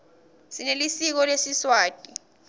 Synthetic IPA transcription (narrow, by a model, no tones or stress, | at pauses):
sinelisik̬ɔlwesiswaːtʼi